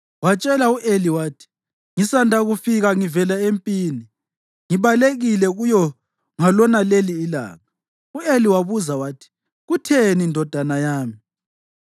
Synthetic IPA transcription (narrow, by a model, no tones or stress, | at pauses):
wat͡ʃʼɛlauʔeliwaːtʰi̥ | ŋisandʱaɣufiɣaŋivɛlaempʼiːni | ŋiβaleɣilɛɣujɔ | ŋalɔnaleliːla̰ːŋa | ueliwaβuzawaːtʰi̥ | ɣutʰenindʱɔd̥ʱanajaːmi